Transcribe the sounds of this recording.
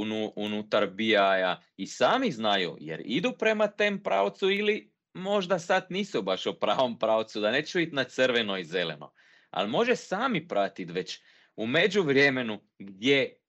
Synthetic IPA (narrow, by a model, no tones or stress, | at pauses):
unuunut̪aɾbiaja | isaːmiznajṵjḛɾḭd̪upɾe̞mat̪eːmpɾa̰ot̪suili | mo̞ʒd̪asat̪niːsubaʃupɾaːʋo̞mpɾaot̪sud̪aneːt͡ʃuit̪nat̪səɾʋenoizelḛno̰ | a̰lˠmo̞ʒesaːmipɾʔat̪it̪ʋe̞t͡ɕ | ume̞d͡ʑuʋɾjeme̞nu | ɡd̪je